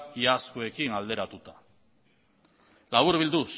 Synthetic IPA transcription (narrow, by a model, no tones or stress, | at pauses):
iaskoe̞kinald̪e̞ɾat̪ut̪ḁ | laβuɾβild̪us